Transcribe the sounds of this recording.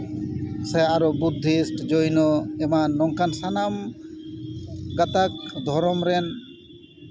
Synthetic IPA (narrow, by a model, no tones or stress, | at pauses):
sɛaɾɔbud̪ʱːisʈd͡ʒojnɔɛmanːɔŋkansanam | ɡat̪ak̚d̪ʱɔɾɔmɾɛn